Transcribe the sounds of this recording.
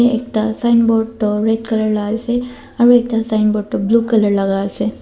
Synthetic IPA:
eek̚t̪asaɪnboːʈoɾeʈkɐləɾlaːse | ɔɾeːk̚t̪asaɪnboːʈobluːkɐləɾlɐɡaːse

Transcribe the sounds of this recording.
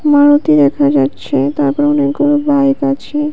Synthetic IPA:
maɾot̪id̪ɛkʰad͡ʑatːɕʰet̪aɾpɔɾonekɡulubajkat͡ɕʰe

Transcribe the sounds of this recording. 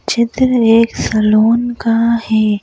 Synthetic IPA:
t͡ʃɪd̪ɾeːksɐloːnkahɛː

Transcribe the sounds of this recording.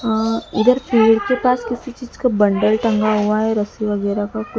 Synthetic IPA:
ɪd̪əɾpʰiːɽkepaːskɪsit͡ʃiːd͡ʒkabɐɳɖəlʈɐ̃ŋɡaɦuaɦɛɾɐsiʋəɡɛːɾakakʊ

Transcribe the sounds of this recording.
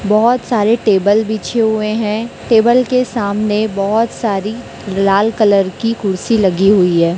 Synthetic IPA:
bɔɦɔt̪saːɾeʈeːbəlbʱiːt͡ʃʰeɦʊeɦɛ̃ʈeːbəlkesaːmnebɔɦɔt̪saːɾi | laːlkələɾkikʰʊɽsilɐɡiɦʊiɦɛː

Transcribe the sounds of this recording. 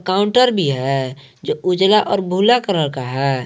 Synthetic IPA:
kaʊɳʈəɾbʱiɦɛ | d͡ʒoʔud͡ʒlaʔɔːɾbʱulakəɾəɾkaɦɛ

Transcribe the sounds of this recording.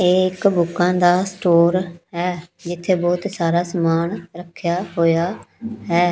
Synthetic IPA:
eɪkbʊkãːd̪aːsʈoːɾɦɛːd͡ʒɪt̪ʰːeːbɔːt̪saːɾaːsəmaːnɾəkʰːjaːɦoːjaːɦɛː

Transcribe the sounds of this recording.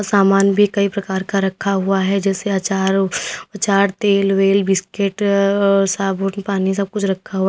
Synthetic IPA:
saːmaːnjbʱikɐipɾɐkaːɾkaɾɐkʰːaɦuaɦɛd͡ʒɛːseaːt͡ʃaːɾat͡ʃaːɾt̪eːlʋeːlbɪskeʈ | saboʈnpaːnis̬ɐb̚kʊt͡ʃʰɾɐkʰːaɦua

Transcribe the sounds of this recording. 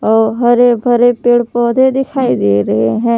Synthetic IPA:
ɔːɾɦɐɾebʱɐɾepeːɽpɔːd̪ʱed̪ɪkʰaːid̪eːɾɐɦeɦɛ̃ː

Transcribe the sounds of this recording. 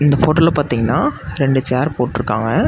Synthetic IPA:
ɪnd̪ɐfoːʈɐlɐpaːɾt̪iːŋɡɐnːaːɾɛɳɖɯt͡ʃaːɾpoːʈːɪɾɯkːaːŋɡɐ

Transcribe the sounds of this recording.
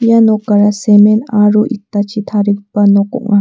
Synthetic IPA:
janokaɾasemenaɾuʔit̪ːat͡ʃit̪ʰaɾikpanoko̰ʔŋa

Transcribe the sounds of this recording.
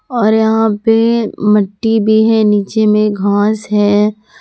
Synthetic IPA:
ɔːɾjɐɦãpemɐʈːibʱiɦɛniːt͡ʃemẽɡʱãːsɦɛː

